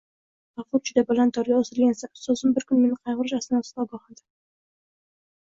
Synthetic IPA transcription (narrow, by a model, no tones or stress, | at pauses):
vaqˠʊt̪̚d͡ʒʊd̪abalant̪ʰɒɾɡʲaosɪlɡʲansasozɪmbɪɾkʰʊnme̞nɪqʰɑjʁʊɾɪʃasɪnasɪd̪ɒɡɒhɑnd̪ɪ̥